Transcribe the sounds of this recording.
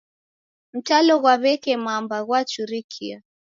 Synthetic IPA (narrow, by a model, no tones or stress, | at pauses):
m̩talɔɣwaβɛkɛmambaɣwat͡ʃuɾikʰia